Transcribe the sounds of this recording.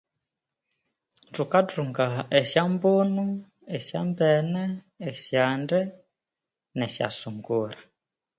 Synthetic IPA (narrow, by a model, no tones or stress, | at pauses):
tukatuŋɡaɛʃjambonu | ɛʃja̰mbɛnɛː | ʃjandɛ | nɛʃja̰suŋɡuɾa